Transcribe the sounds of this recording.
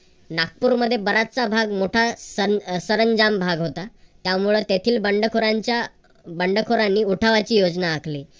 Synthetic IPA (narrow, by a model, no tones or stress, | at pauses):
nak̚puːɾməd̪ʱːjebəɾat̪̚t͡sabʱaɡmoʈʰasəsəɾəɲd͡zambʱaɡɦot̪at̪jamuɭet̪et̪ʰiːlbəɳɖəkʰoɾaɲt͡ɕja | bəɳɖəkʰoɾanːiːuʈʰaʋat͡ɕiːjod͡znaːkʰli